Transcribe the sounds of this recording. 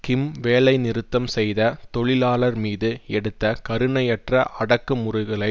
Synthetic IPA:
kɪmʋeːlɐɪnɪɾɯt̪ːɐmsɛjðɐt̪ɔɭɪlaːɭɐɾmiːðɯɛɽɯt̪ːɐkɐɾɯɳɐjɛʈrɐʔɐɽɐkːɯmʊrʊɣɐɭɐɪ

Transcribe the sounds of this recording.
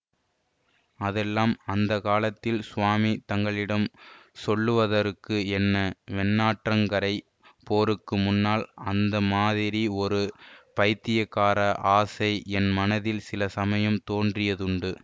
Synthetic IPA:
ɐðɛlːaːmɐnd̪ɐkaːlɐt̪ːɪlsʊʋaːmit̪ɐŋɡɐɭɪɽɐmsɔlːɯʋɐðɐɾɯkːɯɛnːɐʋɛnːaːʈrɐŋɡɐɾɐɪ | poːɾɯkːɯmʊnːaːlɐnd̪ɐmaːðɪɾiɔɾɯpɐɪt̪ːɪjɐkːaːɾɐʔaːsɐɪɛnmɐnɐðɪlsɪlɐsɐmɐjɐmt̪oːndrɪjɐðɯɳɖɯ

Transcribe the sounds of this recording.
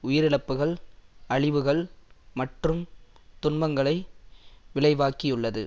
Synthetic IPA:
ʊjɪɾɪɭɐpːɯɣɐɭɐɻɪʋɯɣɐɭmɐʈrɯmt̪ʊnbɐŋɡɐɭɐɪʋɪɭɐɪʋaːkɪjɯɭːɐðɯ̰

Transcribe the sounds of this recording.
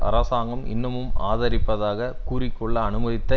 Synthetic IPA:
ɐ̰ɾɐsaːŋɡɐmɪ̰nːɐmɯmaːðɐɾɪpːɐðaːɣɐkuːɾɪkːɔɭːɐːnɯmɐðɪt̪ːɐ

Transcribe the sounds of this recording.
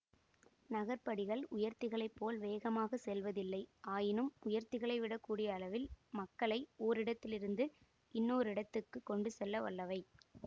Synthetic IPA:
nɐɣɐɾpɐɽɪɣɐɭʊjɐɾt̪ɪɣɐɭɐɪpːoːlʋeːɣɐmaːɣɐsɛlʋɐðɪlːɐɪaːjɪnɯmʊjɐɾt̪ːɪɣɐɭɐɪʋɪɽɐkːuːɽɪjɐːlɐʋɪlmɐkːɐɭɐɪoːɾɪɽɐt̪ːɪlɪɾɯnd̪ɯ | ɪnːoːɾɪɽɐt̪ːɯkːɯkːɔɳɖɯsɛlːɐʋɐ̰lːɐʋɐɪ

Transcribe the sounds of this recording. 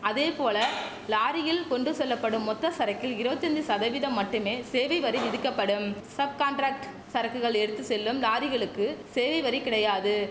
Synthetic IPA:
ɐðeːpoːlɐ | laːɾɪjɪlkɔɳɖɯsɔlːɐpːɐɽɯmːɔt̪ːɐsɐɾɐɪkːɪlɪɾoːt͡ʃːɐnd̪isɐðɐʋɪðɐmːɐʈːɯmeːseːʋɐɪʋɐɾiʋɪðɯkːɐpːɐɽɯmsɐb̚kaːɳʈɾaːk̚ʈ | sɐɾɐkːɯɣɐɭɛɽɯt̪ːɯsɛlːɯmlaːɾɪɣɐɭɯkːɯseːʋɐɪʋɐɾikːɪɽɐjaːðɯ

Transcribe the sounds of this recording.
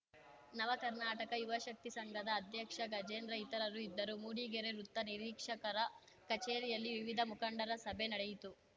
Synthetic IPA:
nɐʋɐkɐɾnaːʈɐkɐjuʋɐʃɐk̚t̪isɐŋɡʱɐd̪ɐːd̪ʱjɐkʂɐɡɐd͡ʒeːnɾɐjit̪ɐɾɐɾuid̪ːɐɾumuːɽiːɡeɾeɾut̪ːɐniɾiːkʂɐkɐɾɐ | kɐt͡ʃeːɾijɐlːiʋiʋid̪ʱɐmukɐɳɖɐɾɐsɐbʱenɐɽejit̪u

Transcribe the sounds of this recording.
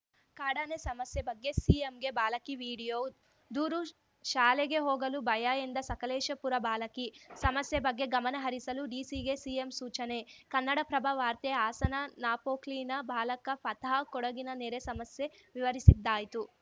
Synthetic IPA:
kaːɽaːnesɐmɐsjebɐɡːesiemɡe̞baːlɐkiʋiːɽijoː | d̪uːɾu | ʃaːleɡe̞ɦɔːɡɐlubɐjaːjend̪ɐsɐkɐlɛːʃɐpuɾɐbaːlɐkisɐmɐsjebɐɡːe̞ɡɐmɐnɐɦɐɾisɐluɖiːsiːɡe̞siemsuːt͡ʃɐne̞kɐnːɐɽɐpɾɐbʱɐʋaːɾt̪eaːsɐnɐnaːpoːkliːnɐbʱaːlɐkɐpʰɐt̪akɔɽɐɡinɐneːɾesɐmɐsje̞ʋiʋɐɾisid̪ːaːjit̪u

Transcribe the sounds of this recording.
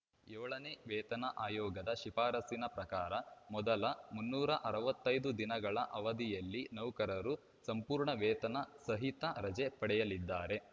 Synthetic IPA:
jɛːɭɐneʋɛːt̪ɐnɐʔaːjɔːɡɐd̪ɐʃipaːɾɐsinɐpɾɐkaːɾɐmɔd̪ɐlɐmunːuːɾɐʔɐɾɐʋɐt̪ːɐjd̪ud̪inɐɡɐɭɐʔɐʋɐd̪ijɐlːinɐwkɐɾɐɾu | sɐmpuːɾɳɐʋɛːt̪ɐnɐsɐɦit̪ɐɾɐd͡ʒepɐɽɛjɐlid̪ːaːɾe̞

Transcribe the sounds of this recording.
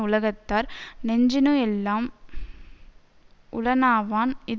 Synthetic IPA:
ʊlɐɣɐt̪ːaːɾnɛɲd͡ʒɪnoɛlːaːm | ʔʊlɐnaːʋaːnɪð

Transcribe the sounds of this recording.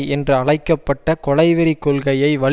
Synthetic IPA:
ɛndrɯɐɭɐɪkːɐpːɐʈːɐkɔɭɐɪʋɪɾikːɔlɣɐjɐɪʋɐɭ

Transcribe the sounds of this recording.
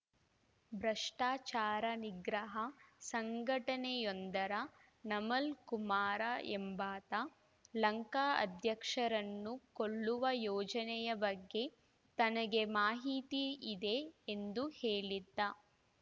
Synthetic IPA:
bɾɐʂʈaːt͡ʃaːɾɐniɡɾɐɦɐsɐŋɡʱɐʈɐnejond̪ɐɾɐ | nɐmɐlkumaːɾɐʔembaːt̪ɐ | lɐŋkaːɐ̰d̪ʱjɐkʂɐɾɐnːukoɭːuʋɐjɔːd͡ʒɐnɛjɐbɐɡːe̞ | t̪ɐnɐɡe̞maːɦit̪iːd̪e̞ːnd̪uheːɭid̪ːɐ

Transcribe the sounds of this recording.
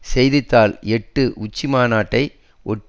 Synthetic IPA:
sɛjðɪt̪ːaːlɛʈːɯʔʊt͡ʃːimaːnaːʈːɐɪ | ɔʈː

